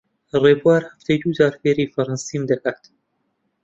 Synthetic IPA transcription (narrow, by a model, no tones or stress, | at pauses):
reːbuaːɾhɐft̪ʰɛjd̪uːzaːɾfeːɾiːfɐɾansiːmd̪ɐkaːt̪